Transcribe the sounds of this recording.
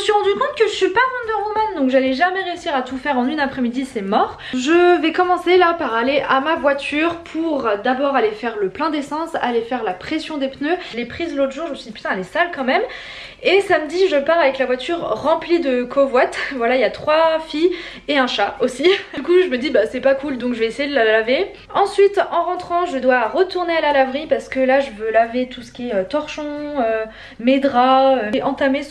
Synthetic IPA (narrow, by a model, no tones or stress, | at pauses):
əsɥiʁɑ̃d̪ykɔ̃t̪̚kəʒəsipamɔ̃d̪əʁumɛnd̪ɔ̃kʒalɛʒamɛʁeysiʁat̪ufɛʁɑ̃nynapχɛmid̪isɛmɔʁ | ʒəvɛkɔmɑ̃selapaʁaleʔamavwat̪ʰyʁpʰuʁd̪abɔʁalefɛʁləplɛ̃d̪esɑ̃salefɛʁlapχesjɔ̃d̪epnølepχizlot̪χʒuʁʒəməsid̪ipyt̪ɛ̃lesalkɑ̃mɛm | esamd̪iʒəpaʁavɛklavwat̪yʁːɑ̃plid̪əkʰovwat̪vwalailjat̪χwafij | eɛ̃ʃaosiykuʒəməd̪ibasɛpakuld̪ɔ̃kʒəvɛesejed̪əlalave | ɑ̃sɥit̪ɑ̃ʁɑ̃t̪χɑ̃ʒəd̪waʁət̪uʁnealalavʁipaʁsə̥kəlaʒəvølavet̪usə̥kʲiɛøt̪ɔʁʃɔ̃ø | med̪ʁaøʔɑ̃t̪ame